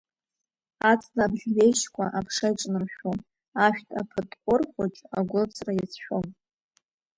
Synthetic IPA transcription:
at͡sʼnaːbɮʲɥeʃkʷʰa̰ʔapʰʂajʈ͡ʂʼnɨmʃʷᶣom | aʃᶣtʰʼa̰pʰɨtʼqʷʼʊrχʷʊt͡ʃʼa̰ɡʷʊlt͡sʰʼrajat͡sʰʃᶣʷom

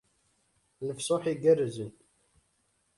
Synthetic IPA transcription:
ləfsoħiɡærːzən

